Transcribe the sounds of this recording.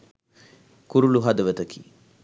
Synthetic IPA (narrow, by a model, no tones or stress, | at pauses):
kuɾuluɦɐd̪ɐʋət̪ɐkʰḭː